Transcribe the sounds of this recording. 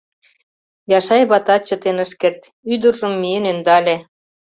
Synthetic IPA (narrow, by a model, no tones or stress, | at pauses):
jɑʃɑjβɑt̪ɑt͡ɕə̆t̪enəʃkert̪ | yd̪ərʒɤ̆mːijənønd̪ɑlʲe